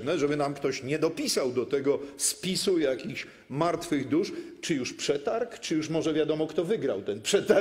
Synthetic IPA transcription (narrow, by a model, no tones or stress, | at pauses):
nɛʐɛbɘnamkt̪ɔɕɲɛd̪ɔpʲisawd̪ɔt̪ɛɡɔspʲisujakʲixɕ | maɾt̪fɘɣd̪uʂt͡ʂɘjuʂpʂɛt̪aɾkt͡ʂɘjuʂmɔʐɛvʲjad̪ɔmɔkt̪ɔvɘɡɾawt̪ɛnpʂɛt̪a